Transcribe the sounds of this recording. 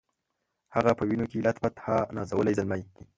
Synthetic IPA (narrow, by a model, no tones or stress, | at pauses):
haɣapəwinokelat̪bat̪hanɑ̰zawəlajzəlmaj